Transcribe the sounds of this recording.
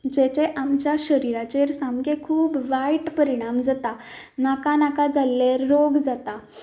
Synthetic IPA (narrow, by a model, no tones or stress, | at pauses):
d͡ʑɛt͡ɕeʔamt͡ɕjaɕəɾiɾat͡ɕeɾsamɡekʰuːbʋajʈpəɾiɽ̃amd͡zat̪a | nakanakad͡zalːeɾːoɡd͡zat̪a